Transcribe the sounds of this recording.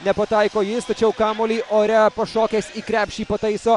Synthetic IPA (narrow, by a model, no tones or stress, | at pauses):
nʲɛpot̪ɑːjkoːjɪst̪ɐt͡ʃʲɛʊkaːmolʲiːʔoːɾʲɛpɐʃɔːkʲɛsʲikɾʲæːpʲʃʲiːpot̪ɐɪsɔ